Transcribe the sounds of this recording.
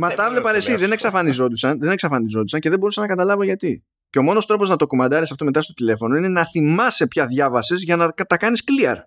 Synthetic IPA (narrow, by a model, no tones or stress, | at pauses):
mɐt̪ɐvlepɐɾe̞siðe̞neksɐfɐnizo̞t̪usɐnðene̞ksɐfɐnizo̞t̪usɐɲce̞ðe̞bo̞ɾusɐnɐkɐt̪ɐlɐvo̞ʝɐt̪i | ceo̞mo̞no̞st̪ɾo̞po̞znɐt̪o̞komɐd̪ɐɾisɐft̪o̞me̞t̪ɐst̪o̞t̪ile̞fo̞no̞ine̞nɐθimɐsepçɐðʝɐvɐsezʝɐnɐkɐt̪ɐkɐniskliɐ̰ɾ